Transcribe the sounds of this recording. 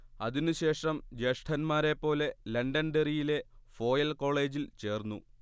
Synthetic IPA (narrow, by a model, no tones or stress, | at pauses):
ɐ̰ðinɨɕe̞ːʂɐmd͡ʑeʂʈʰɐnmaːɾe̞pːo̞ːle̞lɐɳɖɐnɖerijile̞fo̞ːjɐlko̞ːɭe̞ːd͡ʑilt͡ɕe̞ːrnːṵ